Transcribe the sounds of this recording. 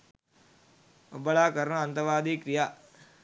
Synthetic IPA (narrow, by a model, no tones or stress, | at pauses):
obːɐlaːkɐɾɐnɐɐnt̪ɐʋaːd̪iːkɾija